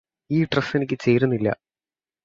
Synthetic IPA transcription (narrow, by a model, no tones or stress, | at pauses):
iːʈrɐfenikʲːɨt͡ɕe̞jːrunːilːɐ̰